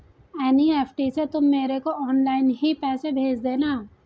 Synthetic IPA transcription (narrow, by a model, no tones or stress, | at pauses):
ɛːnieːpʰʈiset̪ʊmːeːɾekoʔɔːnlaːɪnɦipɛːsebʱeːd͡ʒd̪eːnaː